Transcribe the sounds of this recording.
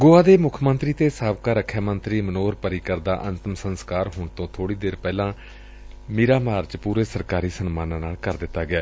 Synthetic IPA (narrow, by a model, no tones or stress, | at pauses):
ɡoːaːd̪eːmʊkʰmənt̪ɾiːt̪eːsaːbkaːɾəkʰːjaːmənt̪ɾiːmənoːɾpəɾiːkəɾd̪a̰ːʔənt̪əmsənskaːɾɦʊːɳt̪õːt̪ʰoːɽiːd̪eːɾpɛːlãː | miːɾaːmaːɾt͡ʃpuːɾeːsəɾkaːɾiːsənmaːnãːnaːlkəɾd̪ɪt̪ːaːɡɪaː